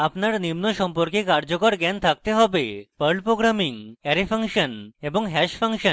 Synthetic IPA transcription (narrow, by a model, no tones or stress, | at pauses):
apnaɾnimnɔʃɔmpɔɾkekaɾd͡ʑɔkɔɾɡɛnt̪ʰak̚t̪eɦɔbepəɾɖpɾoɡɾamiŋɛɾefʰəŋkʃənebɔŋɦɛʃpʰəŋkʃən